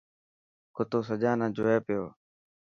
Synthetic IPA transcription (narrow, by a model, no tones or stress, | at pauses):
kʊt̪oːsəd͡ʒaːnãːd͡ʒoːeːpɪjo̰ː